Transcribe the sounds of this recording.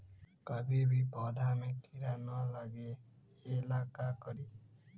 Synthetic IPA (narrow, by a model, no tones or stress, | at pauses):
kʌbibibʱʌd̪ʱamet̪ʰiɾanʌlaɡeː | lakakʌɾi